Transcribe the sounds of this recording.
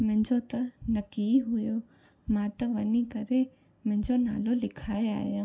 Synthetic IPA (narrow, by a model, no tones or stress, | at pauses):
mɪ̃d͡ʒot̪ɐnɐkiɦʊjo | mãːt̪ɐʋɐnikɐɾe | mɪ̃d͡ʒona̰ːlolɪkʰaːea̰ːja